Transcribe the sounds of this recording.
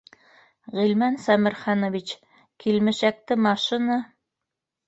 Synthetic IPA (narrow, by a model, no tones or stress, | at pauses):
ʁilmænsæmɘ̆ɾχɑnŏvit͡ɕ | kilmɘ̆ʃæk̚t̪ɘmɑʃina